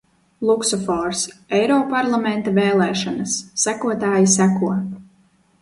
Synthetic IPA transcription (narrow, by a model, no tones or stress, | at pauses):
lˠuksɔfɔɾsɛjɾɔːpaɾlˠamɛnt̪avɛːlˠɛːʃanasːækuɔt̪aːjisækuɔ